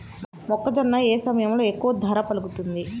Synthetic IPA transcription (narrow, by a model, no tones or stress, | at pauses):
mɔkːɐd͡ʒɐnːɐeːsɐmɐjɐmlo̞ːekːuʋɐd̪ʱɐɾɐpɐluɡut̪und̪i